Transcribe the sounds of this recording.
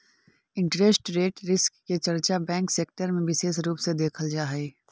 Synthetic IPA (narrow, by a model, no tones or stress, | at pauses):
ɪ̃ɳʈɾesʈɾeːʈɾɪskːet͡ʃɐɾt͡ʃabɛ̃ːŋkseːkʈəɾmẽʋɪʃeːʃɾuːpsed̪eːkʰəld͡ʒaːɦeː